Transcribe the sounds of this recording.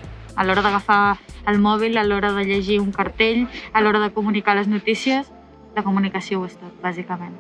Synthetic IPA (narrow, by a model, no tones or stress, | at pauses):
əlɔɾəðəɣəfaəlˠmɔβ̞iləlɔɾəðəʎəʒiuŋkəɾt̪eʎəlɔɾəðəkumunikaləznut̪isiəs | ləkumunikəsiowəst̪at̪̚bazikəmen